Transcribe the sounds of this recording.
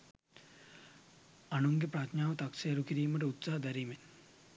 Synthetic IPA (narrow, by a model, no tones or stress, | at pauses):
anuŋɡepɾat̪ɲaːʋət̪aksejɐɾukiɾiːməʈəut̪saɦɐd̪æɾiːmen